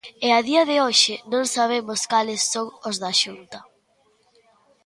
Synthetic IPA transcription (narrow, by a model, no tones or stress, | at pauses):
ɪaðiɐðɪoʃɪnõŋsaβ̞emʊskalɪsːõŋozðɐʃunt̪ɐ